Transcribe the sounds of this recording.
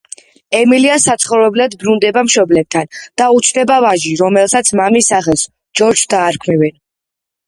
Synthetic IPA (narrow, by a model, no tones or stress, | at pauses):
ɛmiliasat̪sʰχɔvɾɛblad̪bɾund̪ɛbamʃɔblɛp̚t̪ʰand̪̥aut̪t͡ʃʰd̪ɛbavaʒiɾɔmɛlˠsat̪sʰmamisaχɛlˠs | d͡ʒɔɾd͡ʒsd̪aːɾkʰmivɛn